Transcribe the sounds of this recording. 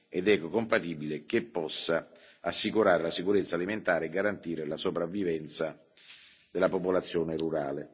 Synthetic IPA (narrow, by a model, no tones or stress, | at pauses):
ɛd̪ɛkːokompat̪ibilek̟epːɔsːa | asːikuɾaːɾelasikuɾet̪sːaːliment̪aːɾeɛɡːaɾant̪iːɾɪlasopɾavːivɛnt̪sa | d̪ɪlːapopolat̪sːjɔːnɪruɾa̰ːle